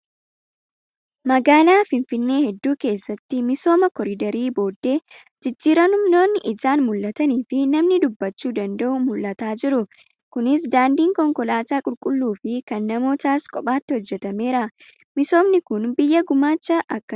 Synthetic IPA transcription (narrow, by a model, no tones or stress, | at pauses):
mɐɡaːlaːfɪnfɪnːe̞ːhɛd̪ːuːke̞ːsːɐt̪ːɪmɪso̞ːmɐkɔɾɪd̪ɐɾiːbo̞ːd̪ːe̞ː | d͡ʒɪd͡ʒːiːɾɐnʊmno̞ːnːɪʔɪd͡ʒaːnmʊlːɐt̪ɐniːfɪnɐmnɪd̪ʊbːɐt͡ʃːuːd̪ɐnd̪ɐʔʊmʊlːɐt̪aːd͡ʒɪɾʊ | kʊnɪs̬d̪aːnd̪iːŋkɔŋkɔlaːsaːkʼʊlkʼʊlːuːfɪkɐnːɐmo̞ːt̪aːskʼɔpʼaːt̪ːɪhɔd͡ʒːɛt̪ɐme̞ːɾɐmɪso̞ːmnɪkʊnbɪjːɐɡʊmaːt͡ʃːɐʔɐkːɐ